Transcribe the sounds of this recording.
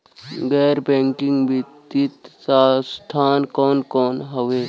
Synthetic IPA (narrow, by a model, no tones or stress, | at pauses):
ɡɛːɾbɛ̃ːŋkɪ̃ŋɡbʱit̪it̪sast̪ʰaːnkɔːnkɔːnɦəʋeː